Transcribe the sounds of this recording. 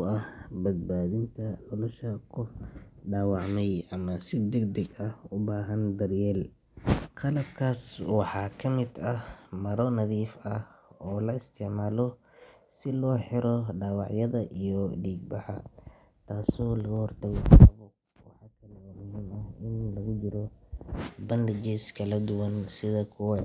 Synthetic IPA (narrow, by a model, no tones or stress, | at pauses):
ɐhbɐd̪̚baːðɪnt̪ʰɐnɔlʊʃɐkʰʊfɖaːwɑʕmɛjɐmɐsɪd̪ɛɡd̪ɛɡɐhʊbaːɦɐnd̪ɐrjɛːl | qɑlɐb̚kʰaːswɑħɑːkʰɐmɪd̪ɐmɐɾɔnɐðiːfɐh | ɔːlɐɪst̪ʰɪʕmaːlɔ | sɪlɔːħɪɾɔɖaːwɑʕjɐðɐʔijɔɖiːɡ̚bɑħɑ | t̪ʰaːsɔːlɐɣʊhɔrt̪ʰɐɣɔqʰɑlɐβʊ | wɑ̰ħɑkʰɐlɛmʊhiːmɐhɪnlɐɣʊd͡ʒɪɾɔ | bɐndɪd͡ʒɛskʰɐlɐd̪ʊwɐnsɪðɐkʰʊwɑ